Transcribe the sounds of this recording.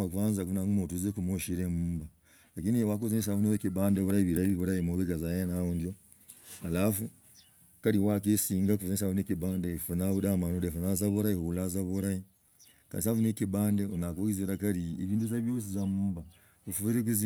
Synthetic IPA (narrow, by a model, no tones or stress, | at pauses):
akuaːnzakuunaŋɡumotuzekumoʃiɾemuːmba | lakiniwak̬uzenis̬avuneβekibaːndeβuɾaiβiɾaiβiβuɾajimoβeɡazajanaundjo | halafu | kaɾiwakesiːŋɡakufuzensavunekibaːndefunaβudamanodefunazaβuɾaihuulazaβuɾai | ka̰nis̬afunekibaːndeonakoɡiziɾakaɾieviːnduzaβjoːs̬izamuːmba | ufuviɾek̬uzi